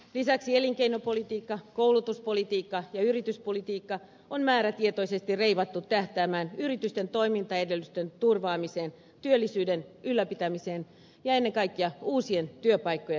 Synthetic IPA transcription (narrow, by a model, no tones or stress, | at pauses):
lisæksieliŋkeinopolit̪iːkːɑkoulut̪uspolit̪iːkːɑjɑyrit̪yspolit̪iːkːɑ | onmæːɾæt̪iet̪o̞isest̪irreiʋɑt̪ːut̪t̪æht̪æːmæːnyrit̪yst̪ent̪oimint̪ɑedelːyst̪ønt̪urʋɑːmiseːn | t̪yølːisyːdenylːæpit̪æmiseːn | jɑenːeŋkɑikːiɑuːsient̪yøpɑikːoje